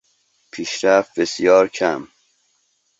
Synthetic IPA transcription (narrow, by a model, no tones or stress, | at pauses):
pʰiːʃɾæft̪̚besjɒːɾcʰæm